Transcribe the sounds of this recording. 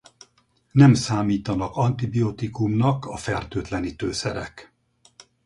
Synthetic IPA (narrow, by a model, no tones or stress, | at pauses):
nɛmsaːmiːt̪ɒnɒkɒnt̪ibiot̪ikumnɒkɒfɛrt̪øːt̪lɛnit̪øːsɛ̰ɾɛ̰k